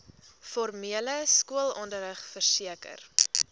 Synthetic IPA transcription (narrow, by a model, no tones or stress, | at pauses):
fɔrmiələskuəlˠɔndəɾəχfərsiəkə̰r